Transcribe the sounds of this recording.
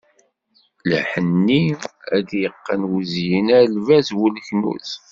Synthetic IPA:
ləħənːiæd̪jəqːənwuzjinælvæzwəlçnṵθ

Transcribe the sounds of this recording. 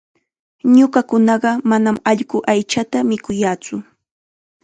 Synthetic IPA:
ɲʊɢɑkʊnɑɢɑmanamɑʎɢʊʔajt͡ʃat̪amɪkʊjaːt͡sʊ

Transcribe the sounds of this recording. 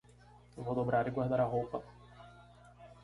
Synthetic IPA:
ewvowd̪obɾaɾɪɡwaɾd̪aɾaɦowpɐ

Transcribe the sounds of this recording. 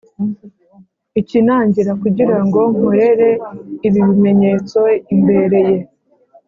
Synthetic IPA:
icinaːɲɟiɾakuɟiɾaŋɡo̞m̥uɾe̞ɾe̞iβiβime̞ɲe̞ːt͡so̞imbe̞ɾe̞je̞

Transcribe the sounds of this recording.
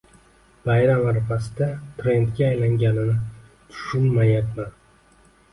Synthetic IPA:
b̥ajɾamaɾfasɪd̪at̪ʰɾe̞nt̪ɡʲaːjlaŋɡʲanɪnɪ | t̪ʰʊ̥ʃʊnmajat̪man

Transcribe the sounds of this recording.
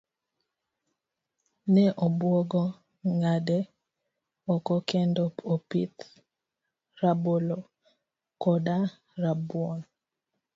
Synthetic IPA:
nɛʔɔbwɔɡɔ | ŋadɛ | ɔkɔkɛndɔpopḭt̪ | rabolo | kɔda | ɾabwɔn

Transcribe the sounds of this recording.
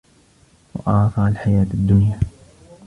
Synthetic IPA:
wɑ̰ʔɑːfɑʕalħajaːt̪ad̪ːʊnjaː

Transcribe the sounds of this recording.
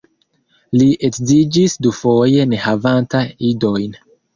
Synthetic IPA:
liʔe̞kzid͡ʒisdufo̞je̞ne̞havantaido̞jn

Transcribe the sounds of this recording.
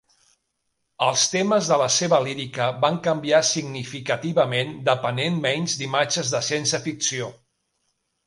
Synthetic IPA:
əlˠst̪eməzðələseβəliɾikəβaŋkəmbiasiɡnifikət̪iβəmend̪əpənenmɛɲzd̪imad͡ʒəzðəsensəfiksio

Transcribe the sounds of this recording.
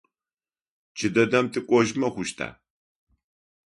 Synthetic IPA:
t͡ʃʰɨd̪ɐd̪ɐmt̪ʼɨkʷʼɔʒmɐχʷʊʃt̪ʰa̰ː

